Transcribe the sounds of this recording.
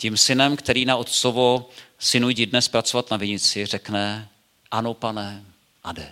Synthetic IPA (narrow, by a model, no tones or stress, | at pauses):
cɪmsɪnɛmkt̪ɛɾiːnaot̪t͡sovosɪnujɟɪdnɛspɾat͡so̞vat̪navɪɲɪt͡sɪr̝ɛknɛ | ʔano̞panɛ | ʔadɛ